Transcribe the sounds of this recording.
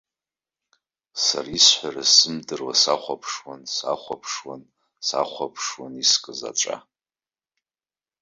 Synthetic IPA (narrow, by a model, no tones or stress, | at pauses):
sa̰risħʷᶣarasɨmdɨrwasaχʷapʰʂwansa̰χʷapʰʂwan | saχʷapʰʂwaniskʼɨza̰ʈ͡ʂʼa̰